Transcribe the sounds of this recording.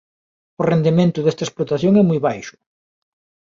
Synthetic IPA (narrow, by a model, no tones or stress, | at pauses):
ʊrend̪imẽnt̪ʊðest̪ɐesplot̪aθjoŋɛmujβajʃʊ̥